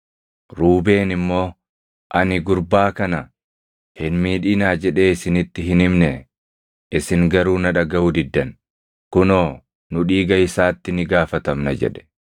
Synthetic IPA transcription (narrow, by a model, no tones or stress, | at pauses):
ɾuːbe̞ːnɪmːo̞ː | ʔɐnɪɡʊɾbaːkɐnɐ | hɪnmiːᶑiːnaːd͡ʒɛᶑe̞ːɪsɪnɪt̪ːɪɦɪnɪmnɛ | ʔɪsɪŋɡɐɾuːnɐᶑɐɡɐʊd̪ɪd̪ːɐn | kʊno̞ː | nʊᶑiːɡɐɪsaːt̪ːɪnɪɡaːfɐt̪ɐmnɐd͡ʒɛ̰ᶑɛ̥